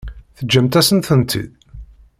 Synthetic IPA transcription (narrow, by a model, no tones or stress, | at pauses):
θəd͡ʒːæmt̪æsənθənt̪ʰḭð